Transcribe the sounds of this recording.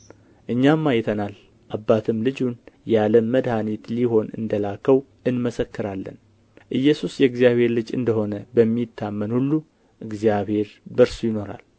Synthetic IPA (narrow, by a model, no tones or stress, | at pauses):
ʔɨɲːamːajɛt̪ʰənal | ʔabːat̪ʰɨmlɨd͡ʒunjaləmːəd̪hanit̪liho̞nɨ̰nd̪əlakʰːəw | ʔɨnməsəkːɨɾalːə̰n | ʔɨjːɛsusjɛɨɡzijaβhe̞ɾlɨd͡ʒɨ̰nd̪əɦho̞nəbəmːit̪ʰːamːənhulːu | ʔɨɡzijaβhe̞ɾbəɾsujɪno̞ɾa̰l